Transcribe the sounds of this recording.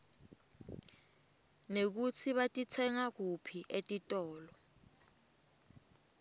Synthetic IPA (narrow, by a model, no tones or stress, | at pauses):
nek̬ut͡sʰiɓatʼit͡sʰɛŋak̬upʰiʔetʼitʼɔːlɔ